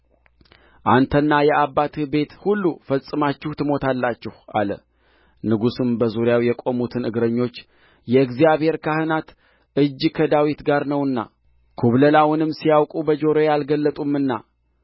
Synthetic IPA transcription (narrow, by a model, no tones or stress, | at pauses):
ʔant̪ʰənːajɛabːat̪ʰɨbe̞t̪hulːufəlsʼɨmat͡ʃːɪht̪ʰɨmo̞t̪ʰalːat͡ʃːɪhʔa̰lə̰ | nɨɡusɨmbəzuɾjawjɛkʼo̞mut̪ʰɨnɨɡɾəɲːo̞t͡ʃː | jɛɨɡzijaβhe̞ɾkʰahɨnat̪ | ɨd͡ʒːkʰəd̪awit̪ɡaɾnəwɨnːa̰ | kʰuβləlawɨnɨmːsijawkʼubəd͡ʒo̞ɾojalɡəlːət̪ʼumːɨnːa̰